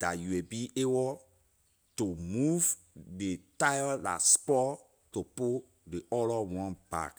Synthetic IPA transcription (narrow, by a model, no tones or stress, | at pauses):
d̥a̰juwebiʔebɔ | tomuv | detajda̰spɔ | topo | deʔɔlɔwɔ̃nba̰k